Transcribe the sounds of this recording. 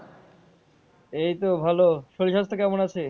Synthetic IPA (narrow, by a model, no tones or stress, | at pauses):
ejt̪obʱaloʃoliʃast̪ʰekɛmonat͡ɕʰe